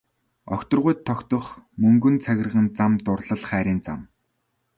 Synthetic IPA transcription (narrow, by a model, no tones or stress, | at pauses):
ɔ̰xʲt̪ɞ̆rʁʊjt̪ʰːɔkt̪ɞ̆χmɵŋɡɵ̆nt͡sʰæɣʲɪ̆rʁə̆nt͡samt̪ʊrɮə̆ɮχæːɾʲiːnt͡sa̰m